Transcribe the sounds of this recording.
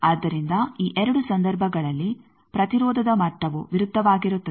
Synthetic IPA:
aːd̪ːɐɾind̪ɐiːʔɛɾɐɽusɐnd̪ɐɾbʱɐɡɐɭɐlːi | pɾɐt̪iɾɔːd̪ʱɐd̪ɐmɐʈːɐʋuʋiɾud̪ʱːɐʋaːɡiɾut̪ːɐ

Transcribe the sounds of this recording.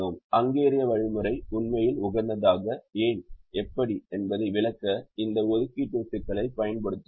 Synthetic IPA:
oːmɐŋɡeːɾɪjɐʋɐɻɪmɯɾɐɪʊnmɐjɪlʊɣɐɾnd̪ɐðaːɣɐeːnɛpːɐɽiɛnbɐðɐɪʋɪlɐkːɐɪnd̪ɐɔðɯkːiʈ̪ːusɪkːɐɭɐɪpɐjɐnpɐɽɯt̪ːɯ

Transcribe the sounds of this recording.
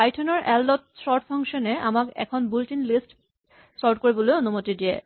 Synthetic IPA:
ajʈʰɔnoɾʔɛlːot̚sɔɾʈpʰɔŋʃɔnea̰makɛ̰kʰonbulʈinlisʈ | sʈaɾʈ̚koɾiboleoonomot̪idiḛ

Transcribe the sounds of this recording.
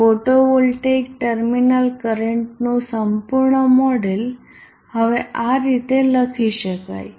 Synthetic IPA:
foʈoʋulʈek̚ʈəɾminəlkəɾeɳʈnusəmpuɾɳəmɔɽel | həʋeʔaɾit̪eləkʰiɕəka̰j

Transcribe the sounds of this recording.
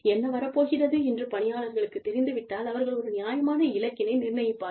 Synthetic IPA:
ɛnːɐʋɐɾɐpːoːɣɪrɐðɯɛndrɯpɐnɪjaːɭɐɾɣɐɭɯkːɯt̪ːɛɾɪnd̪ɯʋɪʈːaːlɐʋɐɾɣɐɭɔɾɯnɪjaːjɐmaːnɐɪlɐkːɪnɐɪnɪrnɐjɐpːaː

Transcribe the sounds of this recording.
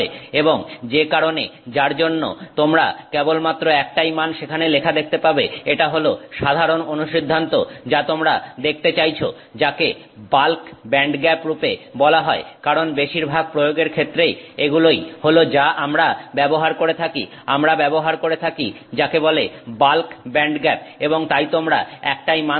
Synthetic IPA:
eeboŋd͡ʑekaɾoned͡ʑaɾd͡ʑonːo̰t̪omɾa̰kebolmat̪ːɾoɛk̚ʈajmanʃekʰanelekʰad̪ek̚ʰt̪epabeeʈaɦoloʃad̪ʱaɾononuʃid̪ʱːant̪od͡ʑat̪omɾad̪ek̚ʰt̪et͡ɕajt͡ɕʰo | d͡ʑake | balkbɛɳɖɡɛpɾupebɔlaɦɔekaɾonbeʃiɾbʱaɡ̚pɾojoɡeɾkʰet̪ːɾejeɡulojholod͡ʑaʔamɾabɛboɦaɾkoɾet̪ʰaki | amɾabɛboɦaɾkoɾet̪ʰaki | d͡ʑakebolebalkbɛɳɖɡɛp̚eboŋt̪ajt̪omɾaɛk̚ʈajma

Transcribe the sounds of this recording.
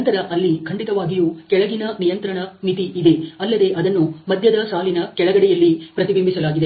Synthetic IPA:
nt̪ɐɾɐʔɐlːikʰɐɳɖit̪ɐʋaːɡijuːkɛɭɐɡinɐnijɐnt̪ɾɐɳɐnit̪iʔid̪e̞ɐlːɐd̪e̞ʔɐd̪ɐnːumɐd̪ʱjɐd̪ɐsaːlinɐkɛɭɐɡɐɽɛjɐlːipɾɐt̪ibimbisɐlaːɡid̪e

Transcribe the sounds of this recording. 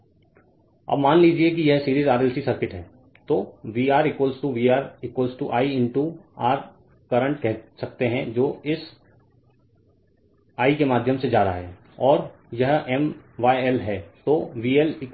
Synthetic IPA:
ɐ̰bmaːnliːd͡ʒiekijɛɦsiːɾiːzaːɾɛlsisɐɾkɪʈɦɛ̃ː | t̪oːʋiːaːɾɪkwəːlsʈuʋiːaːɾɪkwəlsʈuʔaːiɪ̃ɳʈuaːɾ | kɐɾə̃ɳʈkɛɦsɐk̚t̪eɦɛ̃d͡ʒoːɪs | aːikemaːd̪ʱjəmsed͡ʒaːɾaɦɛː | ɔːɾ | jɐɦɛmʋaːiɛlɦɛːt̪oːʋiːɛlɪ

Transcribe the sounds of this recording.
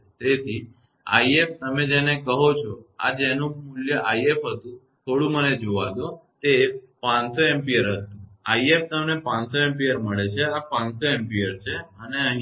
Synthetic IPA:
t̪et̪ʰi | a̰ieft̪əmed͡ʒenekəɦot͡ʃʰɔa̰d͡ʒenũmuljəʔaiefɦət̪ũ | t̪ʰoɽũməned͡ʒoʋa̰d̪ot̪e | pãnsoempijəɾɦət̪ũaieft̪əmnepãnsoempijəɾməɭet͡ʃʰeapãnsoempiəɾt͡ʃʰeəneə̃ɦ

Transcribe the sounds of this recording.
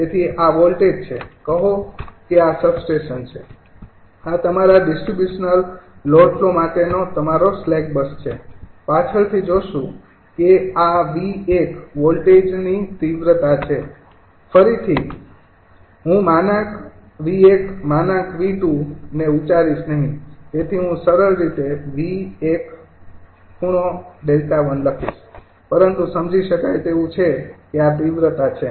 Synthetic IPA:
d͡ʒet̪ʰiʔaʋɔlʈed͡ʒt͡ʃʰekəɦokeasəbsʈeʃənt͡ʃʰe | at̪əmaɾaɖɪsʈɾibjuʃnəllɔʈlomaʈenot̪əmaɾoslɛk̚bəst͡ʃʰḛpat͡ʃʰəɭt̪ʰid͡ʒoʃũ | keaʋiekʋɔlʈed͡ʒnit̪iʋɾət̪at͡ʃʰe | fəɾit̪ʰi | ɦũmanak | ʋiekmanãkʋiʈ̪ũneut͡ʃaɾiʃnəɦĩt̪et̪ʰiɦũsəɾəɾɾit̪eʋiek | kuɽ̃oɖelt̪aʋənləkʰiʃ | pəɾənt̪usəmd͡ʒiʃəkajt̪eʋũt͡ʃʰekeat̪iʋɾət̪at͡ʃʰe

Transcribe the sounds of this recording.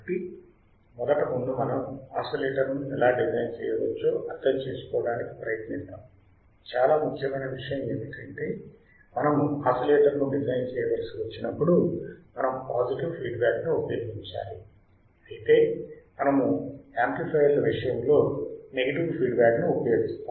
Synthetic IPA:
ɐʈːi | mɔd̪ɐʈɐmund̪umɐnɐmaːsɐleːʈɐɾnuɛlaːɖid͡ʒɐjnt͡ʃɛːjɐʋɐt͡ʃːuːɐd̪ːɐmt͡ʃe̞ːsu̥kɔːɐɽaːniki̥pɾɐjɐt̪nist̪aːm | t͡ʃaːlaːmukɐmɐjnɐʋiʂɐjɐmeːnikɐɳʈeː | mɐnɐmaːsɐleːʈɐɾnuːɖizɐjnt͡ʃɛːjɐʋɐlsiʋɐt͡ʃːinɐpːuɽumɐnɐmpaːziʈiʋpʰiːɖbaːknuopɐjoːɡiɲt͡ʃa̰ːli | ɐt̪e̞ːmɐnɐmuaːmplipʰɐjɐlʋiʂɐjɐmlo̞ːne̞ɡɐʈiʋpʰiːɖbaːknuopɐjoːɡist̪aː

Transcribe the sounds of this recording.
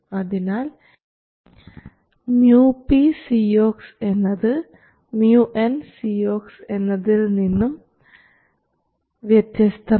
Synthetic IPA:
ɐðinaːl | mjuːpisioːksenːɐðɨ | mjuːʔensioːksenːɐðilninːum | ʋjet̪jɐst̪ʰɐ

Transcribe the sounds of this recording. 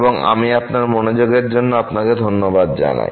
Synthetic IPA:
boŋa̰miapnaɾmonod͡ʑoɡeɾd͡ʑonːoapnaked̪ʱonːobad̪̚d͡ʑa̰na̰

